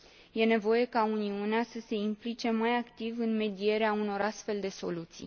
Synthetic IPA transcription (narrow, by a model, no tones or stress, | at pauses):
je̞ne̞vo̞je̞kauniuneasəse̞implit͡ʃe̞majakt̪ivɨnme̞d̪ie̞ɾeauno̞ɾast̪fe̞ld̪e̞so̞lut̪sḭj